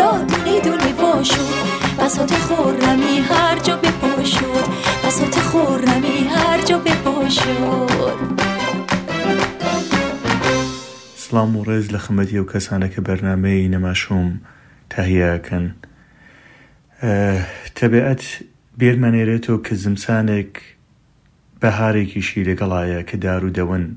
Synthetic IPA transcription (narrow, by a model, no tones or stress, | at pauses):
lɔd̪unid̪unebɔʃuvasot̪iχoɾnamiɦaɾd͡ʒɔːbepɔʃud̪basot̪ʰiχoɾnamiɦaɾd͡ʒɔːbepɔʃu | sɨlaːmureːzlɐxəmːɐt̪ʰiɐwkʰɐsaːnɐkʰɐbɐɾnaːmɐjinɐmaːʃuːm | t̪ʰɐhijɐːkʰɐn | t̪ʰɐbiːʔɐt̪ | beɾmaneːɾeːt̪ʰoːkʰɐzɨmsaːnek | b̥ɐɦaːɾekʰiːʃiːlɐɡɐlˠaːjɐkʰɐd̪aːɾuːd̪ɐwɨn